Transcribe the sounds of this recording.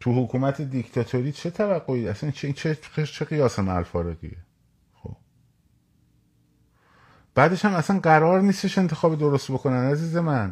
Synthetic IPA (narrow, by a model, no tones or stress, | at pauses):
t̪ʰuhokʰuːmæt̪ʰe̞d̪ikt̪ʰɒt̪ʰoɾiːt͡ʃʰe̞t̪ʰævæɡːo̞idæsænt͡ʃʰeit͡ʃʰeet͡ʃʰeɣijɒːsemææ̰lfɒːɾeɣḭe | xo̰b̥ | b̥æːd̪e̞ʃhæmæsænɢæɾɒːɾniːst̪e̞ʃe̞nt̪ʰe̞xɒːbed̪o̞ɾo̞st̪̚bo̞kʰo̞nænæziːze̞mæn